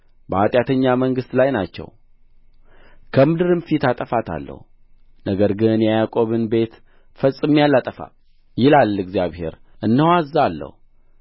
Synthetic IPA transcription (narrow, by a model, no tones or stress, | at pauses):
bəhat̪ʼjat̪ʰəɲːaməŋɡɨst̪lajnat͡ʃːɛ̰w | kʰəmɨd̪ɨɾɨnfit̪at̪ʼəfat̪ʰa̰lːə̰hu | nəɡəɾɡɨnjɛjakʼo̞βɨnbe̞t̪ | fəsʼːɨmjalːat̪ʼəfa̰ | jɪlalːɨɡzijaβhe̞̰ɾʔɨnːəwazalːə̰hu